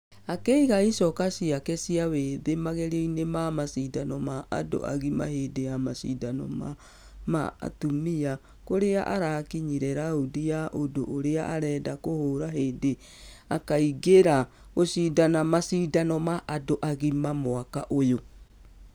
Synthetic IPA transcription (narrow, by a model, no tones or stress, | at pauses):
akeiɣaisɔkasiakɛsiaweːðemaɣeɾeinemamasiːdanɔmaa̰do̰ʔa̰ɣima̰heːdejamasidanɔ̰ma | ma̰ːtumia | koɾeaʔaɾakiɲiɾɛɾaodiaʔodoʔːɾeaʔaɾɛdakohoɾaɦeːde | akaiɡeɾa | ɣosiːdanamasiːdanɔmaʔadoʔaɣimamoakaʔojo